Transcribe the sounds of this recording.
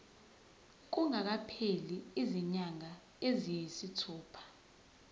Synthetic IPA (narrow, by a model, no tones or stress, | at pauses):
k̬uŋak̬apʰeliiziɲaŋa | ezijisitʰɔːpʰḁ